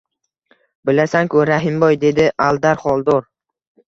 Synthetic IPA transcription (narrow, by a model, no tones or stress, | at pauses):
bɪlasaŋkʰʊɾaɦɪmbɒjd̪e̞d̪ɪʔalˠd̪aɾχɒlˠd̪ɒɾ